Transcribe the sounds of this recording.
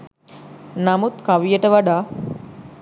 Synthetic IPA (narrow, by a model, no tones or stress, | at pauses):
namut̪kaʋijəʈəʋaɖaː